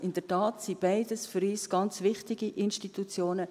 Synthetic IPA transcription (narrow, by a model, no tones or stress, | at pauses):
ʔɪnd̥ətɑːtsib̥aɪdəsfʏɾiːsɡ̥ɑnt͡svɪχtɪɡiʔɪnʃtitut͡sjoːnə